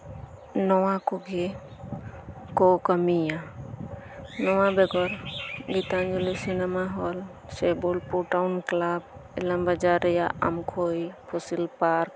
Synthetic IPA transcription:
nɔwãkoɡe | kokəmijã | nɔwãbeɡɔɾɡit̪and͡ʒulisinemaɦol | sebolpuʈaunklaːb̚ɪləmbəd͡ʒaɾjaʔɐ̰mkʰoipʰusilpaːɾk̚

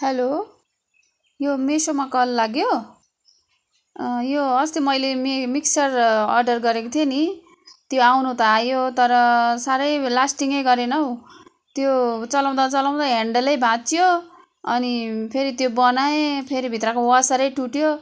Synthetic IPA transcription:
helo | jomesomakʌlːaɡjo | joʌst̪imʌjlemmiksʌrʌ̰rɖʌrɡʌɾekot̪ʰjeni | t̪joawnut̪ʌajot̪ʌɾʌsaɾʌjlasʈiŋʌjɡʌɾenʌw | t̪jot͡sʌlaw̃d̪ʌt͡sʌlaw̃d̪ʌɦeɳɖʌlʌjbʱãt͡sjo | ʌnipʰeɾit̪jobʌnaepʰeɾibʱit̪rʌkowasaɾʌjʈuʈjo

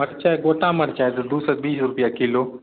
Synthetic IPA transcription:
əɽt͡ʃaɡoːʈãməɽt͡ʃaːet̪d̪uːsət̪̚biːsɾʊpjakiloː

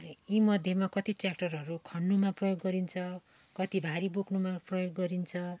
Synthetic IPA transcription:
imʌd̪ʱjemakʌt̪iʈrak̚ʈʌrɦʌɾukʰʌnːumaprʌjoɡːʌɾint͡sʰʌ | kʌt̪ibʱaɾiboknumaprʌjoɡːʌɾint͡sʰʌ

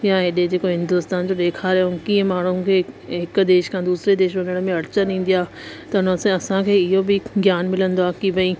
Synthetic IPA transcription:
jaɦɪɗed͡ʑeːkoɦɪ̃nd̪ʊst̪aːnd͡ʑoɗ̪eːkʰaːɾeoʊkĩːə̃maːɳ̤ũkʰeːɦɪk̆d̪eːʃkʰãːd̪uːsɾed̪eːʃ̬ʋɐnəɽ̃mẽɐɽɪt͡ɕənĩːn̆d̪ijaː | t̪ɐɦʊnɐsẽɐsãkʰeːɪɦobɪɡjaːnmɪlə̃nd̪oaːkibɐ̃ĩ

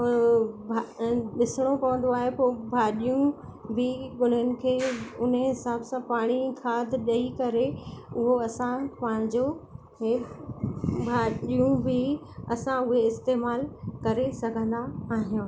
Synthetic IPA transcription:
bʱaɗɪsɽ̃okɐʋə̃nd̪oaːɦepobʱaːɗijũ | bɪɡʊn̤ənɪ̆kʰeːʊnəɦɪsaːbsãpaːɽ̃ikʰaːd̪ʱɗɐikɐɾeʊɦoɐsãpaːɽ̃d͡ʑo | ɦe | bʱaːɗijũbʱɪ | ɐsãʊɦeɪst̪eːmaːlkɐɾesɐɡʱə̃nd̪aːɦijũː

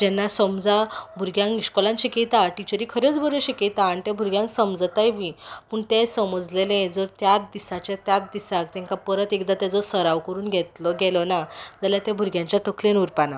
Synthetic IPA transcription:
d͡ʑɛnːasəmd͡zabʱuɾɡjãŋkiɕkɔlãnɕiket̪aːʈit͡ɕəɾiːkʰəɾet͡sbʱəɾoɕeket̪aːɳit̪ɛbʱuɾɡjãŋksəmd͡zt̪ajʋĩpəːɳt̪ɛsəməd͡zlelẽd͡zəɾt̪jat̪̚d̪isat͡ɕjat̪jat̪̚d̪isakt̪ɛ̃ŋkapəɾət̪ekd̪at̪jad͡zɔsəɾaʋkəɾuːnɡʱɛt̪lɔɡɛlɔnad͡zaljat̪abʱuɾɡjãɲt͡ɕjat̪əkʰlenuɾpana

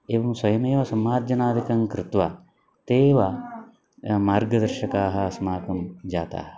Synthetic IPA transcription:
eːʋɐmsɐjɐmeːʋɐsɐmːaːɾd͡ʒɐnaːd̪ʱikɐŋkɾɪt̪ʋa | t̪eːʋɐ | maːɾɡɐd̪ɐɾʃɐkaːɦɐ̆sɐmaːkɐmd͡ʒaːt̪a̰ːɦɐ̥

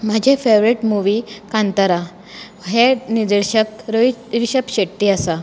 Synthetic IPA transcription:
m̤ad͡ʑʱefeʋɾeʈmuʋiːkãnt̪əɾa | ɦenid̪əɾɕəkɾiɾɕəkɕeʈʈ̪ːiːasa

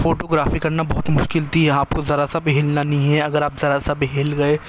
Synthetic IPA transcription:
foːʈoɡɾaːfikɐɾnabɔɦʊt̪mʊʃkɪlt̪ʰiɦɛaːp̚kozɐɾasabɪɦeːlnanɐɦĩɦɛɐɡəɾaːpzɐɾasabɦeːlɡɐe

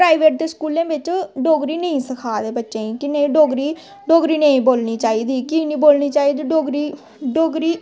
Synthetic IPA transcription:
pɾaːiʋeːʈ̚d̪eːskuːlẽːbɪt͡ʃɖoːɡɾiːnəĩːsəkʰaːd̪eːbətːʃẽːĩːkɪnẽːɖoːɡɾiː | ɖoːɡɾiːnəĩːboːlniːt͡ʃaːiːd̪iːkiːnĩːboːlniːt͡ʃaːiːd̪iːɖoːɡɾiː | ɖoːɡɾiː

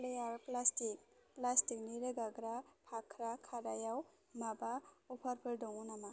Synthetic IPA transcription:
lejaɾplastik̚plastik̚niɾɯɡaɡɾapʰakʰɾakʰaɾajaw | mabaɔpʰaɾpʰɯldɔŋɔnama

